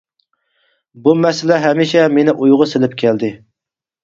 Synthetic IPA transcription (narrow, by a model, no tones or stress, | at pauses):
bumɛsɪlɛɦɛmiʃɛmenɪʔujʁʊsɪlɪp̚kʲʰɛld̪ɪ